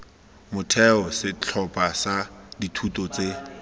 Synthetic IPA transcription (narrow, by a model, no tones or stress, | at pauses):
mʊtʰɛɔsɪt͡ɬʰɔpʼasaditʰutʼɔt͡se